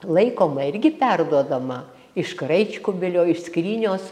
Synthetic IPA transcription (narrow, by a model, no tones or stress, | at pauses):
lˠɐɪkoːmɐɪrʲɡʲɪpʲærd̪uɔd̪ɐmɐ | ɪʃkrɐɪt͡ʃʲkʊbʲɪlʲoːɪʃsʲkrʲiːnʲoːs